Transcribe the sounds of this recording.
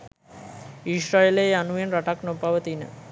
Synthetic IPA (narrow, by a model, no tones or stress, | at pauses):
iʃɾaeleanuenɾaʈaknopaʋət̪inə̰